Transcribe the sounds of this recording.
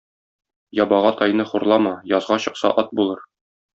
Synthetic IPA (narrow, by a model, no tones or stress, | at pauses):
jɒbɑʁɑt̪ʰɒjnɤχuɾlˠɑmɑjɒzʁɑɕɤ̆qsɑ̰ʔɒt̪̚bulˠɤɾ